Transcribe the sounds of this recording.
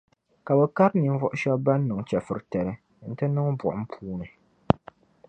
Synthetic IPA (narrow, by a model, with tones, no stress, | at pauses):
ka˨bɛ˦ka˦ɾni˨˦n˦vʊ˦ʔʊ˦ʃɛ˦bba˦nː˦ɨ˨ŋ˨t͡ʃɛ˨fɨ˨ɾtɛ˨ɾɨ˦ | n̩˦tɨ˦nɨ˦ŋ˦bʊ̰˨ʔʊ˨˦m̩˦pʰuː˦nɨ˨